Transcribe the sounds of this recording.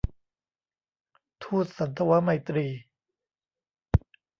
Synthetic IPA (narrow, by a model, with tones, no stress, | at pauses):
t̪ʰuː˥˩t̪̚sa˩˦nt̪ʰa˧wa˦˥ma˧jt̪ɾiː˧